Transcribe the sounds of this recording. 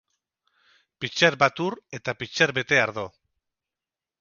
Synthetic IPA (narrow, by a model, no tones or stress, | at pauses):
pit͡ʃeɾbat̪uɾe̞t̪apit͡ʃeɾβe̞t̪e̞aɾðo